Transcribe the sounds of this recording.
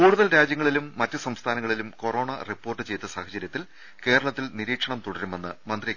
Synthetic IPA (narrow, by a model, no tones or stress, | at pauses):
kuːɽuðɐlɾaːd͡ʑjɐŋːɐɭilumːɐtːɨsɐmst̪ʰaːnɐŋːɐɭilumko̞ro̞ːɳɐripːo̞ːrʈːɨt͡ɕe̞jt̪ːɐsaːhɐt͡ɕɐɾjɐt̪ːil | ke̞ːɾɐɭɐt̪ːilniɾiːkʂɐɳɐmt̪uɽɐɾume̞nːɨmɐnd̪ri